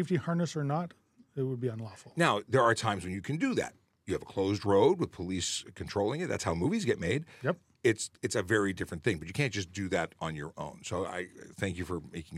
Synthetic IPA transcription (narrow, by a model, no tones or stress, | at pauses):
fdihɑɹnəsə˞nət | ɪt̚wəd̚biə̃nlɔfl̩ˠnaʊðə˞ːtʰãɪ̃mzwɨ̃njɨkʰɨ̃ndɨðæ̰t̚ | jɨːvəkʰl̥oʊzdɹoʊd̚wəð̥pʰəliskʰntʰɹ̥oʊlˠɪ̃ŋɨt̪̚ðæ̰tshaʊmuvizɡɛt̚meɪdjɛp | ɪtsɨtsɨvɛɹidɪfɹɨ̃nθɪ̃ŋbʌt͡ʃɨkʰæ̃nd̥ʒ̥ʌs̬d̥ɨðæɾn̩jə̰˞ʔõ̰ʊ̃nsoʊa̰ɪθæ̃ŋkjɨfə˞meɪkɪ̃ŋ